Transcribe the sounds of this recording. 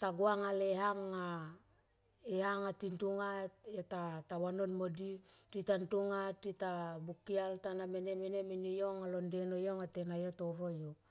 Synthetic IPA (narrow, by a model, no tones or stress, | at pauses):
taɡuaŋaleɦaŋːa | ehaŋatintuŋatetatawanonmodititantuŋatːitabukialtanamenemeneminijoŋalondenojoŋatenajotoɾojo